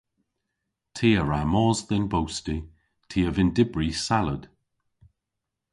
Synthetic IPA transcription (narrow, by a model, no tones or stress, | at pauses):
tʰiːəɹamɔːzðɪnbowsti | tʰiːəvɪndɪbɹisaləd̥